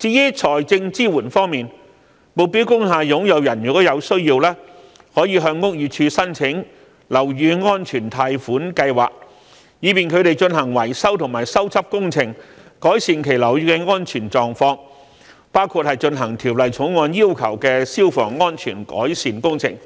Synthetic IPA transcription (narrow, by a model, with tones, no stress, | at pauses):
t͡siː˧jiː˥t͡sʰɔː˨˩jt͡sɪ˧ŋt͡siː˥wuː˨˩nfɔː˥ŋmiː˨˩n | mo˨˧wpi˨˥wkʊ˥ŋɦaː˧jʊ˨˥ŋjɐ˨˧wjɐ˨˩njyː˨˩kɔ˨˥wjɐ˨˧wsɵ˥ɥjiː˧wlɛː˥ | hɔː˨˥jiː˨˧ɦœː˧ŋːʊ˥k̚jyː˧˩t͡ʃʰyː˧sɐ˥nt͡sʰɪ˨˥ŋ | lɐ˨˩wjyː˨˧ŋɔː˥nt͡ʃʰyː˨˩nt̪ʰaː˧jfuː˨˥nkɐ˧jwaː˨k̚ | jiː˨˧piː˨˩nkʰɵ˨˧ɥt̪e˨jt͡ʃɵ˧nɦɐ˨˩ŋwɐ˨˩jsɐ˥wt̪ʰʊ˨˩ŋmaː˨˩jsɐ˥wt͡sʰɐ˥p̚kʊ˥ŋt͡sʰɪ˨˩ŋkɔː˨˥jsiː˨nkʰe˨˩jlɐ˨˩wjyː˧kɛ˧ŋɔː˥nt͡ʃʰyː˨˩nt͡sɔː˨ŋfɔː˧ŋ | paː˥wkʰu˧t̚hɐ˨jt͡ʃɵ˧nɦɐ˨˩ŋt̪ʰiː˨˩wlɐ˨jt͡sʰʊ˨˥ŋŋɔː˧njiː˥wkʰɐ˨˩wkɛː˧siː˥wfɔ̰ː˨˩ŋːɔː˥nt͡ʃʰyː˨˩nkɔ̰ː˨˥jsiː˨nkʊ˥ŋt͡sʰɪ̰˨˩ŋ